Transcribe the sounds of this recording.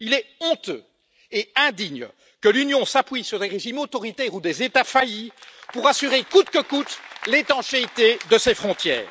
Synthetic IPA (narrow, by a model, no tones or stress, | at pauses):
ilɛɔ̃t̪ø̰ | eɛ̃d̪iɲ | kəlynjɔ̃sapɥisyʁd̪eʁeʒimot̪ɔʁit̪ɛʁud̪ezet̪afajipuʁasyʁekut̪kəkut̪let̪ɑ̃ʃeit̪ed̪əsefχɔ̃t̪jɛ̰ːʁ